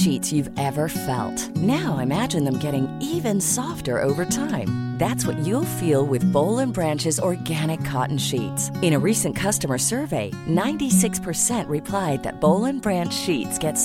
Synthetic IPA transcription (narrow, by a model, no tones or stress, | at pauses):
ʃitsjʉvɛvə˞fɛ̰lˠt̚naʊaɪɨmæd͡ʒɨ̃nðɨ̃mɡɛɾɪ̃ŋivɨ̃nsɔftə̰˞ʔo̰ʊvə˞tʰãɪ̃mðætswʌ̰t͡ʃɨlˠfilˠwɪðboʊlˠə̃nbɹæ̃nt͡ʃɨzɔɹɡæñɨkʰːɑ̰ʔn̩ʃitsɨ̃ɾ̃ɨɹisɨ̃nkʰʌstəmə˞sɜ˞veɪ | nãɪ̃ntisɪkspʰə˞sɛ̃nʔɹɨpʰl̥aɪd̪̚ðɨ̰t̚b̥oʊlˠə̃nbɹæ̃nt͡ʃʃitsɡ̥ɛts